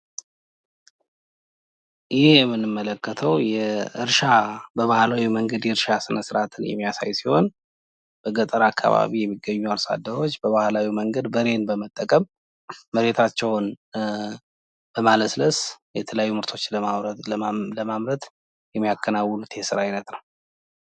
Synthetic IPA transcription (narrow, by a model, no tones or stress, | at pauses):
jɪhhjɛmːɨnːɨmːələkːət̪ʰəwjɛɨɾʃabəβahlawiməŋɡəd̪jɛɨɾʃasɨnəsɨɾat̪ʰɨnjɛ̰mːijasa̰jsiho̞n | b̥əɡət̪ʼəɾakʰːa̰βa̰βijɛmːiɡːəɲːualsa̰d̪ːəɾo̞t͡ʃːbəβahlawiməŋɡəd̪bəɾe̞nbəmət̪ʼːəkʼəmː | əɾe̞t̪ʰat͡ʃːɛwn | b̥əmaləsləsjɛt̪ʰələjajːumɨɾt̪ʰo̞t͡ʃːləmaβɾələmamɾət̪ | jɛmːijakʰːənawːəlut̪ʰesɨɾaajnət̪nəw